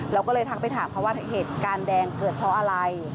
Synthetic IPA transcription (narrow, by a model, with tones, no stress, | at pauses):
ɾɛː˧wkɔː˥˩lɤː˧jt̪ʰa˦˥pa˧˨jt̪ʰaː˩˦mpʰɾɔ˦waː˥˩heː˨˩t̪̚kaː˧ndɛː˧ŋkɤː˨˩t̪̚pʰɔ˦˥ʔa˧ɾa˧j